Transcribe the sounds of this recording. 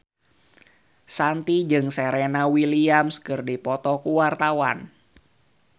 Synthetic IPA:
sant̪id͡ʒɨŋsɛɾɛnawiliamskɨrdipɔt̪ɔkuwart̪awa̰n

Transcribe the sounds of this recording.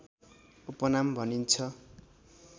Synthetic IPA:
upʌnambʱʌnint͡sʰʌ

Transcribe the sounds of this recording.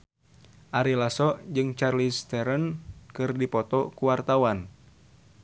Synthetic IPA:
ʔaɾilasɔʔd͡ʒɨŋt͡ʃarlist̪ɛɾənkɨrdipɔt̪ɔkuwart̪awan

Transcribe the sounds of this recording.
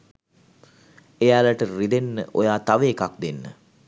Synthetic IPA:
ejaːlaʈərid̪enːə̰ʔojaːt̪aʋəːkak̚d̪enːə̰

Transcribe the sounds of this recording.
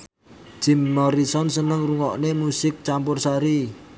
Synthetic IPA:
ʒ̥i̤mːɔɾisɔnsənəŋruŋɔʔnemusɪk̚t͡ʃampʊrsaɾi

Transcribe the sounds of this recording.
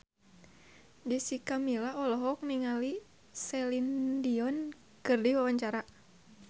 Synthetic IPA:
d͡ʒisikamilaɔlɔɦɔk̚niŋali | sɛlindiɔn | kɨrdiwawaɲt͡ʃaɾa

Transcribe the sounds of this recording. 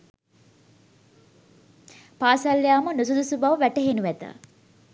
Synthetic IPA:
paːsɐlːjaːmənusud̪usubaːʋəʋæʈəɦenuʋæt̪ə̰

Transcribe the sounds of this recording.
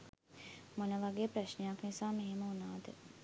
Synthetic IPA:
monɐʋaɡeːpɾɐʃnejaknisaːmeɦeməunaːd̪ə

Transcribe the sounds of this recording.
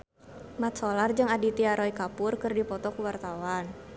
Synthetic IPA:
mat̪̚solard͡ʒɨŋadit̪iaɾɔikapʊrkɨrdipɔt̪ɔkuwart̪awan

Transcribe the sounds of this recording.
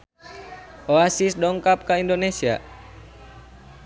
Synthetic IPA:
ʔoasisdɔŋkap̚kaindonesia̰

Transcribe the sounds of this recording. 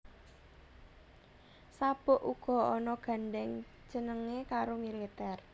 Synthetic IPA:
sab̥ɔ̤ʔuɡ̥ɔ̤ɔnɔɡ̥a̤ɳɖɛŋ̥ | d͡ʒ̥ə̤nəŋekaɾomilit̪ɛr

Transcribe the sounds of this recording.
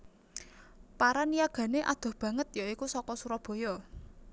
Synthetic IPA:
paɾanijaɡ̥ä̤neʔa̰d̪̥ɔ̤b̥ä̤ŋət̪̚jaikusɔkɔsuɾɔb̥o̤jɔ

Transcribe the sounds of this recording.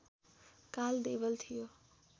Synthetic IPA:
kaːld̪eːʋəlt̪ʰijoː

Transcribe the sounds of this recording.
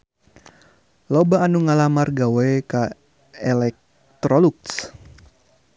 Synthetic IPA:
lɔbaːnuŋalamarɡawajka | ɛlɛk̚ | t̪ɾɔluks

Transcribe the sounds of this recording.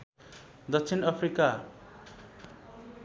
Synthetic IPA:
d̪ʌkt͡sʰinʌpʰrika

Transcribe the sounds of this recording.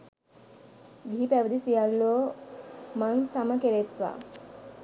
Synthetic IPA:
ɡʱiipæʋəd̪isijalːoː | mansaməkeɾet̪ʋa̰

